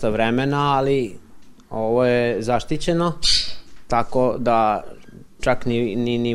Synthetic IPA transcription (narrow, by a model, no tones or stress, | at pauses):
aʋɾemenaːli | oʋojezaʃt̪it͡ɕeno | t̪akod̪a | t͡ʃakninini